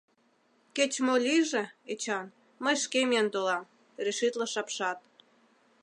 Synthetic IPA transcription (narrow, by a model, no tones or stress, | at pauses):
ket͡ɕmolʲiʒĕet͡ɕɑn | məjʃkemʲiənt̪olɑm | ɾeʃit̪lɤʃɑpʃɑt̪̚